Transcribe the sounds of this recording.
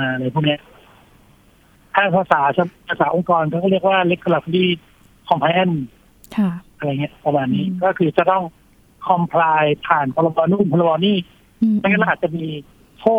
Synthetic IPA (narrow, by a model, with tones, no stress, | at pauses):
aː˧˩ʔa˧ɾa˧jpʰuː˥˩ni˦˥ɐʔ | t̪ʰaː˥˩pʰaː˧saː˩˦sʰa˦˥pʰaː˧˩saː˨˩˦ʔo˧ŋkɔː˧nkɔː˥˩kʰɔː˥˩ɾi˥˩ək̚waː˥˩le˦˥k̚ʰːo˧la˧t̪ʰu˧liː˥˩ | kʰɔ˨˧mpʰɛː˧˥˨n | kʰa˥˩ʔa˧ɾa˧jŋi˦˥ɐpa˧maː˧nːiː˦˥kɔː˥˩kʰɯː˧t͡ɕa˨˩t̪ɔ˥˩ŋ | kʰɔ˧mpʰlaː˧jpʰaː˨˩npʰɔ˧la˧bɔː˧nu˥˩mpʰɔ˧la˧bɔː˧niː˥˩ | a˧˥˩ka˥˩l̚ːt͡ɕa˨ʔmiː˧ | pʰoː˥˩